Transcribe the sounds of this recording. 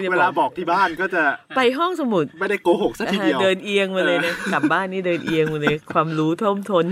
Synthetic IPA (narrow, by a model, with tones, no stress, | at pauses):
weː˧laː˧bɔː˨˩k̚t̪ʰiː˥˩baː˥˩nkɔː˥˩t͡ɕa˨˩pa˧jɦɔ˥˩ŋsa˧mu˨˩t̪̚ma˥˩jda˥˩jkoː˧ho˨˩k̚sa˦˥tʰːdi˧əwdɤː˧nʔi˧əŋmaː˧lɤː˧jna˦˥ka˨˩p̚baː˥˩nːiː˥˩dɤː˧nʔi˧əŋmaː˧lɤː˧jkʰwaː˧mɾuː˦˥t̪ʰo˥˩mt̪ʰo˧n